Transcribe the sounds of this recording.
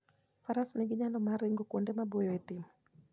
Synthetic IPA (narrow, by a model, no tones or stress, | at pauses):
faɾasnɛɡiɲanɔmaɾɛŋɡɔkɔndɛmabɔjɔet̪imɔ